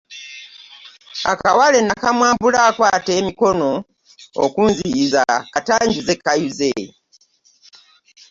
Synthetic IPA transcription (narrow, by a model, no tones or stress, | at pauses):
a̰kawale̞nakamwaːmbulaːkwaːte̞ːmiko̞no̞ | o̰kunziizakataːɲɟuzekːajuze